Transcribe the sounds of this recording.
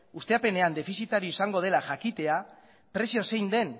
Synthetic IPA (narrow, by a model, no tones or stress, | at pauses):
ust̪e̞ape̞ne̞and̪e̞fisit̪aɾioisaŋɡo̞ð̞e̞laʝakit̪e̞a | pɾe̞sio̞se̞jnd̪e̞n